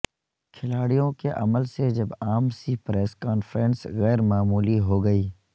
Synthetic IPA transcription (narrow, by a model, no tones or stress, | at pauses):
kʰɪlaːɽijõkeʔɐ̰məlsed͡ʒɐbaːmsipɾɛːskaːnfəɾə̃nsɣɛːɾmaːmuːliɦoːɡɐiː